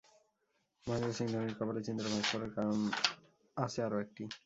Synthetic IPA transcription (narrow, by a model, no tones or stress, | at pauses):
maind̪ɾasiŋd̪ʱɔniɾkɔbalet͡ɕind̪ɾabaɡkɔɾeɾkam | at͡ɕʰeaɾoek̚ʈi